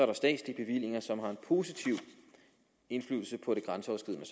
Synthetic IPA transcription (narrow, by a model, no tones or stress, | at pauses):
sɒɐɾɑ̈sd̥ɛ̰ːdslib̥e̝ʋil̰e̝ŋɐsɒ̽mɦɑ̈e̝npʰo̝sit͡sʰiʊ | e̝nflyðl̩səpʰɒ̽ɾ̥e̝ɡ̥ʁansəɒ̰ʊsɡ̥ið̰ˠnəs